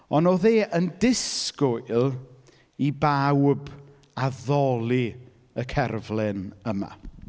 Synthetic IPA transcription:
ɔnoðeːʔəndɪskʊjlˠ | ibawb | aðɔlˠi | əkʰɛrvlˠɪnəma̰

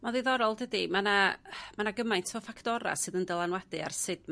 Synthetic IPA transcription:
maðiðɔɾɔlˠdədimanamanaɡəmajntʰvɔfakʰtɔɾa̰sɨðəndɛlˠanwadɨa̰rsɨdm

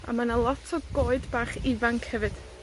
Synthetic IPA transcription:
a̰manalˠɔtʰɔɡoːɨdbaːχɪvaŋkʰhɛvɨd̥

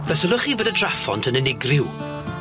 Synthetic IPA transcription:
v̥ɛsəlˠʊχivoːdədrafɔ̰ntʰənɪnɪɡrɪw

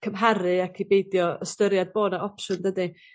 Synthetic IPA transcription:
kʰəmɦaɾɨakʰibejdjɔəstəɾjad̚boːdaʔɔpʃʊndədɨ

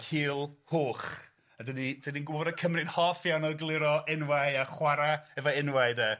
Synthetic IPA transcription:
kʰiːlˠhoːχ | adənid̥əninɡʊbɔdəkʰəmrɪnhɔfjawnɔɡlˠɪɾɔɪnwajaχwaɾaɛvɔɪnwaɨdɛ

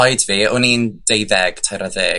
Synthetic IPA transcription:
ɔjdviːʊnind̥ejðɛɡ̥tʰajɾaðeː

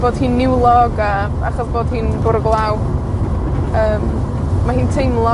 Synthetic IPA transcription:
b̥oːd̥hɨːnːɪwlˠɔɡa | a̰χɔsboːd̥hiːnbʊɾəɡlˠaw | əːm | mahiːntʰejmlˠɔ

